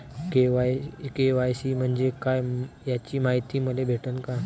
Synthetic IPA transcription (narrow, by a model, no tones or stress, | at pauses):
keʋajkeʋajsiːm̤əɳd͡ʑekajjat͡ɕiːmaɦit̪iːməlebʱeʈənka